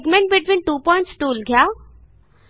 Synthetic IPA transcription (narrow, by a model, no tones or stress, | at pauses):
ɡmẽɳʈ̚bɪʈʋĩːnʈuːpɔɪ̃ɳʈsʈuːlɡʱjaː